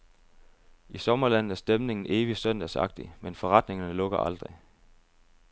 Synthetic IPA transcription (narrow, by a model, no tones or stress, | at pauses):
isɒ̽mɐlæn̰ð̩ˠæɐsd̥emne̝ŋn̩ʔe̝ːʋisøn̰d̥æsɑ̈ɡ̥̚d̥imenfɒ̽ʁɑ̈d̥ne̝ŋɐnəlɔ̽ɡ̥ɐʔɑ̈ld̥ʁi